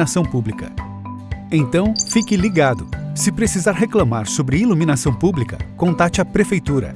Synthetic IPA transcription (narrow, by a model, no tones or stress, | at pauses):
asɐ̃w̃publikɐ̰ | ẽt̪ɐ̃w̃fikɪliɡad̪ʊsɪpɾesizaɾɦeklɐ̃maɾsobɾɪilumĩnasɐ̃w̃publikɐ̰kõt̪at͡ʃɪapɾefejt̪uɾɐ̰